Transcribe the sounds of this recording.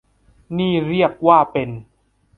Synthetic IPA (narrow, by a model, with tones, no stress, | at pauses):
niː˥˩ɾi˥˩ək̚waː˥˩pe˧n